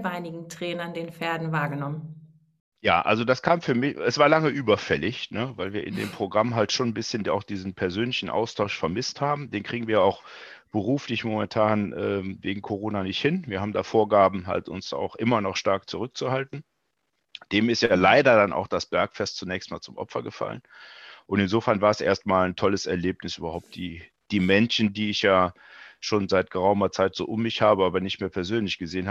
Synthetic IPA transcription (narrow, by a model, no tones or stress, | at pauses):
vaɪnɪɡŋ̩tʁ̥ɛːnɐndeːnfɛːɐdn̩vaːɐɡənɔmən | ja̰ːʔa̰lzodaskʰaːmfyːɐmɪçɛsv̥aːɐlaŋəʔyːbɐfɛlɪçnəvaɪlviːɐʔɪ̰ndḛːmpʁ̥oɡʁamɦaltʃoːnbɪsçəna̰ʊxd̥iːzn̩pʰɛɐzøːnlɪçn̩ʔa̰ʊstʰaʊʃfɛɐmɪsthaːbm̩deːnkʁ̥iːɡŋ̩viːɐaʊx | b̥əʁ̞uːflɪçmomɛntʰaːnʔɛːveːɡŋ̩kʰoʁoːnanɪçthɪnviːɐaːbm̩da̰ːfoːɐɡaːbm̩ɦa̰ltʊ̰nsa̰ʊxʔɪmɐnɔχʃtaɐk̚t͡suʁʏk̚t͡suhaltn̩ | d̥eːmɪstjaːlaɪdɐdanʔa̰ʊxd̥asb̥ɛɐkfɛstt͡sunɛːçstmaːlt͡sʊmʔɔ̰pfɐɡəfa̰lə̰nʔʊntɪnzoːfɛɐnvaːɐɛsʔḛːɐstmaːlntʰɔləsɛɐleːpnɪsʔyːbɐhaʊp̚t̚d̥iː | d̥iːmɛnʃn̩diːɪçjaː | ʃoːnzaɪt̚ɡ̥əʁaʊmɐt͡saɪtz̥o̰ːʔʊmːɪçhaːbəaːbɐnɪçtmeːɐpʰɛɐzøːnlɪçɡ̥əzeːənha